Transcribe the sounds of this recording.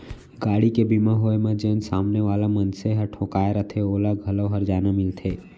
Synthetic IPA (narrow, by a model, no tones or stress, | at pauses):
ɡaːɽikebimãɦoːemə̃d͡ʒeːnsaːmneʋaːlamənseɦəʈʰõːkaːeɾət̪ʰeoːlaɡʱɐləʋɦəɾd͡ʒaːnamɪlt̪ʰeː